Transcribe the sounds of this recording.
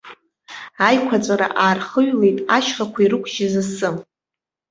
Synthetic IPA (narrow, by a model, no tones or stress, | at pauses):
ajkʷʰat͡sʷʼaɾa̰ʔaːrχəɥle̞jtʼaʃχakʷʰaiɾɨkʷʰʼʒɪzasɨm